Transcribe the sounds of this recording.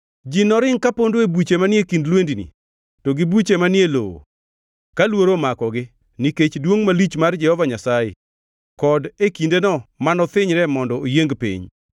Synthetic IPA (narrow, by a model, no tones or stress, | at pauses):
d͡ʒinɔɾɪŋkapondoebut͡ʃemanɪekindlwendinḭ | toɡibut͡ʃemanjelo̰o̰ | kalwoɾomakɔɡɪ | niket͡ʃdwoŋmalit͡ʃmard͡ʒɛhɔvaɲasajɪ̰ | kɔdekindenɔmanɔt̪ɪɲɾɛmɔndɔojeŋɡpḭɲ